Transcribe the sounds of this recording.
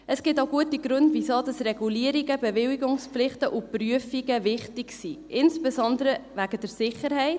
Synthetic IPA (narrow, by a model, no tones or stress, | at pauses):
əsɡ̥ɪtaʊɡuətiɡɾʉndvisoːdɑsrɛɡuliːəɾiɡəbeʋɪwiɡʊŋspflɪχtəʔupryəfiɡəvɪχtɪksiʔɪnspezɔndəɾəʋæɡ̥əd̥əɾsɪχəɾɦɛɪt